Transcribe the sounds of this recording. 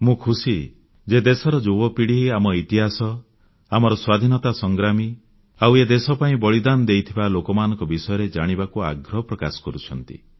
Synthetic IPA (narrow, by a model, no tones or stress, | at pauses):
mũkʰusi | d͡ʒed̪esɔɾɔd͡ʒobɔpiɽ̤iɦiamɔit̪iɦasɔ | amɔɾɔswad̪ʱinɔt̪asɔŋɡɾami | awed̪esɔpaĩbɔɭid̪anɔd̪ejt̪ʰibalokɔmanɔ̃ŋkɔbisɔjɔɾed͡ʒaɽ̃ibakua̰ɡɾɔɦɔpɾɔkasɔ̥kɔɾut͡ʃʰɔnt̪ḭ